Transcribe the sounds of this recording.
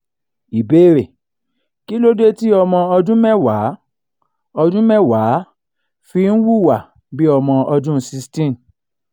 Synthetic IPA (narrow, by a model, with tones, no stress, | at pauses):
i˨be˦ɾe˨ | ki˦lo˦de˦ti˦ɔ˧mɔ̃˧ɔ˧dũ˦mɛ̃˦wa˨˦ | ɔ˧dũ˦mɛ̃˦wa˨˦ | fi˧n̩˦wu˦˨wa˨ | bi˦ɔ˧mɔ̃˧ɔ˧dũ˦si˧stĩ˦m˨